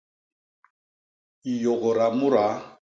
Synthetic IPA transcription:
i˨jɔ˨ɣɔ˨ɾa˨mʊ˦ɾa˨˦

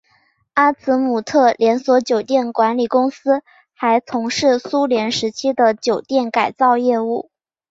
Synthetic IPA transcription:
a˥t͡sʰɹ̩˧˥mu˨˩t̪ʰɤ˥˩ljɛ˧˥nswɔ˧˥t͡ɕjo˨˩ʊt̪jɛ˥˩nkwa˧˥nli˨˩kʊ˥ŋsɹ̩˥ | xa˧˥ɪt͡sʰʊ˧˥ŋʂɻ̩˥˩su˥ljɛ˧˥nʂɻ̩˧˥t͡ɕʰi˥d̪ə˨t͡ɕjo˨˩ʊt̪jɛ˥˩nka˨˩ɪt͡sɑ˥˧ʊjɛ˥˧u˥˩

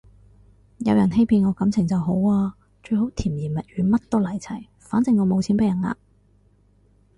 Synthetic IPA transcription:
jɐ˨˧wjɐ˨˩nɦe˥jpʰiː˧nŋɔː˨˧kɐ˨˥mt͡sʰɪ˨˩ŋt͡sɐ˨wɦo˨˥waː˧ | t͡ʃɵ˧ɥho˨˥wt̪ʰiː˨˩mjiː˨˩nmɐ˨t̚ɥyː˨˧mɐ˥t̚t̪o˥wlɐ˨˩jt͡sʰɐ˨˩j | faː˨˥nt͡sɪ˧ŋːɔː˨˧mo˨˧wt͡sʰiː˨˥npe˧˥jɐ˨˩na̰ː˧

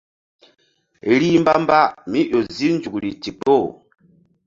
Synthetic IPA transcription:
ɾi˦m˦ba˦m˦ba˦mi˦ʔo˨zi˦n˦d͡ʒu˨kɾi˨ti˨po˦˨

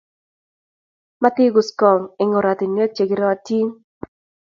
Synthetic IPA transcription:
ma˦t̪ɪ˦ɡʊ˨skɔ˨ŋɪ˨ŋɔ˨ɾa˨t̪i˨ne˦t͡ʃe˨ɡɪ˦ɾɔ˦a˦ti˦ŋ

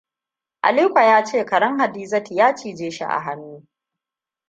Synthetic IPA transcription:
ʔa̰˨liː˦kʷa˨jaː˦t͡ʃeː˦˨kɐ˨ɽɐ˦ŋɦa˨diː˦zɐ˦ti˨jaː˦t͡ʃiː˨d͡ʒeː˦ʃḭ˦ʔa̰˨ɦa˦nːuː˦

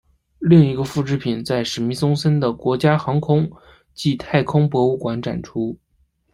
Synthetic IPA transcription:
li˥˩ŋi˧˥ɡə˧fu˥˩ʈ͡ʂɻ̩˥pʰi˨˩nt͡sa˥˩ɪʂɻ̩˧˥mi˧˥sʊ˥ŋsə˥nd̪ə˨kwɔ˧˥t͡ɕja˥xɑ˧˥ŋkʰʊ˥ŋ | t͡ɕi˥˧t̪ʰa˥˩ɪkʰʊ˥ŋpwɔ˧˥u˥˩kwa˧˥nʈ͡ʂa̰˨˩nʈ͡ʂʰu˥

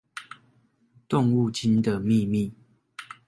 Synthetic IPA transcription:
t̪o˥˨ŋu˥˨t͡ɕi˦nd̪ə˨mi˥˨mi˥˨

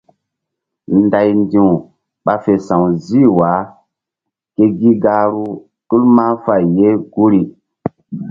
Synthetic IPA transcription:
nda˨jndĩ˨w | ɓa˦fe˨sã˨wzi˦wa˨˦ | ke˦ɡi˦ɡa˦ɾu˦ | ɗu˦lma˦fa˨jːe˦ɡ̥u˦ɾi˨

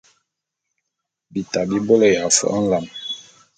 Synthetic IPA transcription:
bi˨ta˨bi˦bo˦lɔ˦ja˨fɔ̰˦ʔa˦n̩˦la˨m

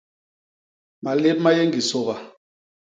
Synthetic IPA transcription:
ma˨le˦p̚ma˦je˦ŋɡi˨so˨ba˨

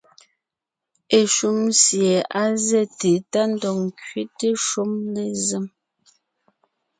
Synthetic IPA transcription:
e˦˨ʃu˦˨msje˨a˦zɛ˦˨te˨ta˦n̩˦dɔ˨ŋ˨kɥi˦te˦ʃu˦mle˨ze˦m

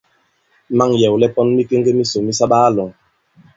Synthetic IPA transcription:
ma˦ŋjɛ˨wlɛ˦pɔ˦nmi˦ke˦ŋ˦ɡe˦mi˦so˨mi˦sa˦ɓa˦lɔ˨ŋ

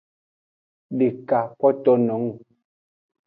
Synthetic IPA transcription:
ɗe˨ka˨kɔ˦tɔ˦nɔ̃˨˦ŋ˨

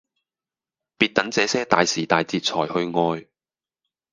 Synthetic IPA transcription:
piː˧t̚t̪ɐ˨˥ŋt͡sɛː˨˥sɛː˥t̪aː˨jsiː˨˩t̪aː˨jt͡siː˧t̚t͡sʰɔː˨˩jhɵ˧ɥŋɔː˧j

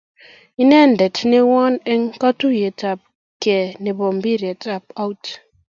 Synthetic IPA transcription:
i˦ne˦˨n̩˨de˨tne˦wɔ˦ne˦ŋka˦tu˦je˨ta˨p̚ | ke˨ne˨bɔ˨m˨bi˦ɾe˨ta˨p̚a˦wt

